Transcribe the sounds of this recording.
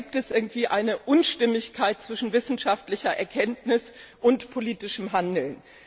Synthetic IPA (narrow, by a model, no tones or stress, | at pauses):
iːp̚tɛsʔɪɐɡŋ̩tv̥iːʔaɪnəʔʊnʃtɪmɪçkʰaɪt̚t͡sv̥ɪʃn̩vɪsn̩ʃaftlɪçɐʔɛɐkʰɛntnɪsʔʊntpʰoliːtɪʃəmɦandl̩n